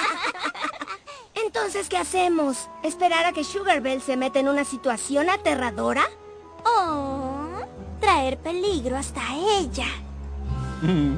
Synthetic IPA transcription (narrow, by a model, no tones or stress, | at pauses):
e̞nt̪o̞nse̞ske̞ase̞mo̞s | espe̞ɾaɾake̞ʃuɣeɾβelse̞me̞t̪eenũnasit̪wasjo̞nat̪e̞raðo̞ɾa | o | t̪ɾaeɾpe̞liɣɾoast̪aeʝa